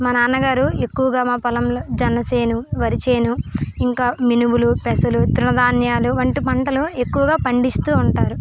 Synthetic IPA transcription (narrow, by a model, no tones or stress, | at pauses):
maːnaːnɐɡaːɾue̞kːuʋɐɡaːmaːpɐlɐmloːd͡ʒɛnɐseːnuʋɐɾit͡ʃeːnuiŋkaːminubulupɛsɐlut̪ɾunɐd̪aːnjaːluʋɐɳʈipɐɳʈɐlue̞kːuʋɐɡaːpɐɳɖist̪uːɳʈaːɾu